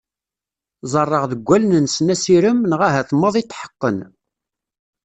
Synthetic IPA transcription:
zˤərˤːəʁðəɡʷːælnənsnæsiɾəmnʁaɦæθmːɑðˤit̪ːħə̥qːən

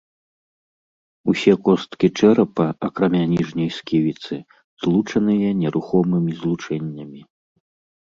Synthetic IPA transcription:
usʲɛkɔst̪kʲit͡ʂɛɾɐpɐɐkɾamʲanʲiʐnʲɐjskʲivʲit̪sɨ | zlˠut͡ʂɐnɨjɐnʲɛɾʔuxɔmɨmʲizlˠut͡ʂɛnʲːɐmʲi

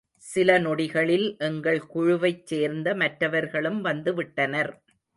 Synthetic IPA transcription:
sɪlɐnɔɽɪɣɐɭɪlʔɛŋɡɐɭkʊɻʊʋɐɪt͡ʃt͡ʃːeːɾnd̪ɐmɐʈɾɐʋɐɾɣɐɭɯmʋɐnd̪ɯʋɪʈːɐnɐɾ

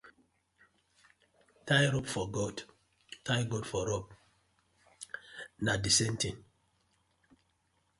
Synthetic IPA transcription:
tajɾɔpfɔɡɔd | tajɡɔdfɔɾɔp̚ | nadisɛ̃ntĩn

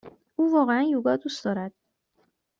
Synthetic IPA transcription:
ʔuːvɒːɣeænjuːɡɒːd̪uːsd̪ɒːɾæd̪̥̚

